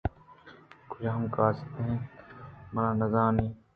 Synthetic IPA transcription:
kʊd͡ʒʰaːɦɐmkaːst̪eɦɛ̃ːmɐnãːnɐzãːniː

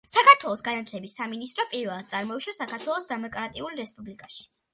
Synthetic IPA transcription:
sakaɾt̪ʰwɛlˠɔsɡanat̪ʰlɛbisaminist̪ʼɾɔpʼiɾvɛlˠad̪̥̚t̪sʼaɾmɔiʃasakʰaɾt̪ʰwɛlˠɔsd̪ɛmɔkʼɾat̪ʼiulɾɛspʼublikʼaʃi̥

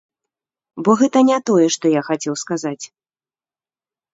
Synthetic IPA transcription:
bɔɣɛt̪ɐnʲɛt̪ɔjɛʂt̪ɔjaxat͡sʲɛwskazat͡sʲ

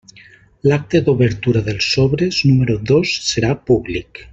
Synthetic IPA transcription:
lak̚t̪ed̪uβəɾt̪uɾaðəlˠsoβɾeznuməɾuðosːəɾapuβlik

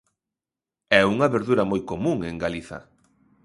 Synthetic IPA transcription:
ɛuŋɐβeɾðuɾɐmojkomũŋeŋɡaliθɐ̰

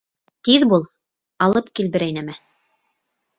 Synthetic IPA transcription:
t̪iðbulˠ | ɑlˠɤpkilbɘ̆ɾæjnæmæ

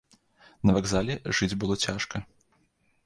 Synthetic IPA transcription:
nɐvaɡzalʲɛʐɨd͡zʲbɨlˠɔt͡sʲaʂkɐ

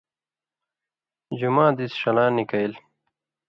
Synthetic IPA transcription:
d͡ʑumaːd̪isʂɐlãːnːikɐil

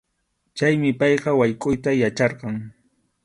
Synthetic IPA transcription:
t͡ʃajmɪpɑjqɑwajkʼʊjt̪ajat͡ʃɑɾqɑŋ

